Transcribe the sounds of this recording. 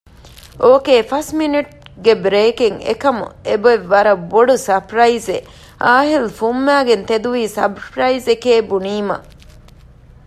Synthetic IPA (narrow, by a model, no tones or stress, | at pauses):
ʔoːkeːfɐsminiʈ̚ | ɡebɾeːkiŋḛkɐmṵeboeʋːɐɾɐboɖusɐpɾɐize | ʔaːɦilfumːæːɡent̪ed̪uʋiːsɐbpɾɐizekeːbuniːmɐ̰